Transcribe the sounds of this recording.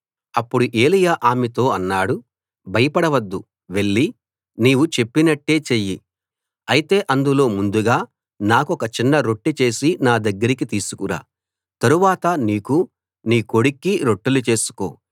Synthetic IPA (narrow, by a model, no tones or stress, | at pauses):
ɐpːuɽuʔe̞ːlijaːʔaːmet̪o̞ːɐnːaːɽu | bʱɐjɐpɐɽɐʋɐd̪ːu | ʋe̞ɭːi | niːʋut͡ʃe̞pːinɐʈːe̞ːt͡ʃeji | ɐjit̪e̞ːʔɐnd̪ulo̞ːmund̪uɡaː | naːkuɔkɐt͡ʃinːɐɾo̞ʈːit͡ʃe̞ːsinaːd̪ɐɡːɐɾikit̪iːsu̥kuɾa̰ː | t̪ɐɾuʋaːt̪ɐniːku | niːko̞ɽikːiɾo̞ʈːulut͡ʃe̞ːsu̥ko̞̰ː